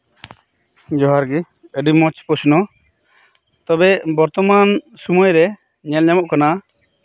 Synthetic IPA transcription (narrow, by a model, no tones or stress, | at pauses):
d͡ʒɔɦaɾɡi | əɖimɔt͡ʃpɔsnɔ | t̪ɔbɛbɔɾt̪ɔman | sumɔjɾɛ | ɲɛlɲamɔʔkana